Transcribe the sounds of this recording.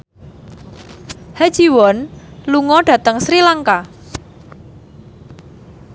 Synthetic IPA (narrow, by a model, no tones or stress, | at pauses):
had̥ʒ̥i̤wɔnluŋɔɖ̥ä̤t̪əŋsɾilaŋka